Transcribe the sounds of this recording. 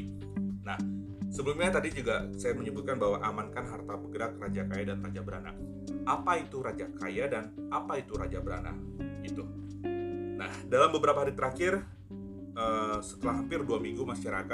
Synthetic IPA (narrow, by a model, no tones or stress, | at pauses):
nah | səbəlumɲat̪adid͡ʒuɡasajaməɲəbut̪̚kanbawaʔamankanɦart̪abəɡəɾak̚rad͡ʒakajadanrad͡ʒabəɾa̰na̰ | ʔapait̪uɾad͡ʒaka̰jadanapait̪uɾad͡ʒabəɾa̰na̰ɡit̪u | nahdalambəbəɾapaɦaɾit̪əɾakɪr | əːsə̥t̪əlaɦampɪrduamiŋɡumaʃaɾaka